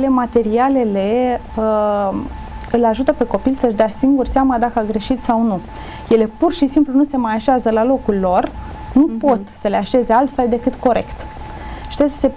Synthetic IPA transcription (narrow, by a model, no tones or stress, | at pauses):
le̞mat̪e̞ɾiale̞le̞ə | ɨlaʒut̪əpe̞ko̞pilsəʒd̪easiŋɡurseaməd̪akəaɡɾe̞ʃit̪sawnu | jele̞purʃisimplunuse̞majaʃeazəlalo̞kulːo̞r | nupo̞t̪səle̞aʃe̞ze̞alt̪fe̞ld̪e̞kɨt̪ko̞ɾʔe̞̰kt̪ | ʃi̥t̪eskə̥se̞